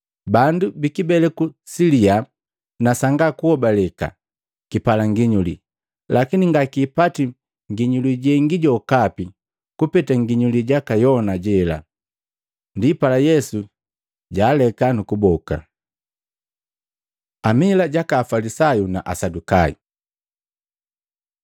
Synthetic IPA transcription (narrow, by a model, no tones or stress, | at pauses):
bandubikibɛlɛkusilia | nasaŋɡakuhɔbalɛka̰ | kipalaŋɡiɲulḭ | lakiniŋɡakiːpati | ŋɡiɲuliɟɛŋɡiɟɔkapi | kupɛtaŋɡiɲuliɟakajɔnaɟɛla̰ | ndipalajɛsu | ɟaːlɛkanukubɔka̰ | amilaɟakaːfalisajunaʔa̰sadukaḭ